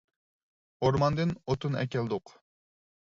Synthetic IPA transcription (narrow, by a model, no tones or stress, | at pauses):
oɾmɑnd̪ɨnot̪ʰunɛ̰kʲɛld̪ʊq